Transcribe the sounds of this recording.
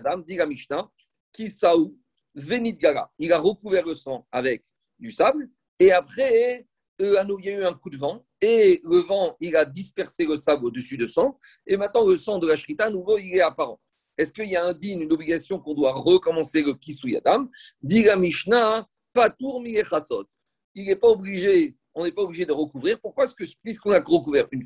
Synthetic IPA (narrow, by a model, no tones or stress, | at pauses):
d̪amd̪ilamiʃna | kʲisau | venid̪̚ɡala̰ilaʁəkuvɛʁləsɑ̃avɛk | d̪ysabl | eapχɛ | øanoiljayɛ̃kud̪əvɑ̃ | eləvɑ̃ilad̪ispɛʁseləsablod̪əsyd̪əsɑ̃ | emɛ̃t̪nɑ̃ləsɑ̃d̪əlaʃχit̪anuvoilɛapaʁɑ̰̃ | ɛskəiljaɛ̃d̪inynɔbliɡʲasjɔ̃kɔ̃d̪waʁəkɔmɑ̃seləkʲisuja̰d̪amd̪ilamiʃna | pat̪uʁmilɛχasɔt̪ | ilɛpaɔbliʒe | ɔ̃nɛpaɔbliʒed̪əʁəkuvʁiʁpuʁkwaɛskəpɥiskɔ̃naʁəkuvɛʁyn